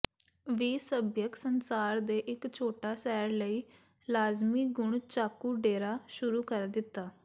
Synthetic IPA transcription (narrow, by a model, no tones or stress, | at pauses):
ʋiːsəbjəksənsaːɾd̪eːʔɪkt͡ʃʰoːʈaːsɛːɾləiː | laːzmiːɡʊɳt͡ʃaːkuːɖeːɾaːʃʊɾuːkəɾd̪ɪt̪ːaː